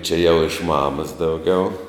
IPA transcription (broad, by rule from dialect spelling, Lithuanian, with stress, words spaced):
t͡ʃʲɛ jɛʊ ɪʃ ˈmɑːmɐs dɐʊˈɡʲɛʊ